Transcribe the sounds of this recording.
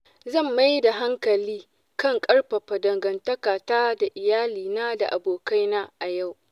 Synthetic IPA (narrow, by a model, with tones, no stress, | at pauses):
zɐ˦˨mːa˦jda˨ɦa˦ŋkɐ˨liː˦ | kɐ˦˨ŋkʼɐ˦ɽɸɐ˨ɸɐ˨dɐ˨ŋɡɐ˨ntɐ˦kaː˨taː˦da˨ʔɪ˨jaː˦liː˨naː˦da̰˨ʔa˨boː˨ka˦jnaː˦ʔa˨ja˦˨w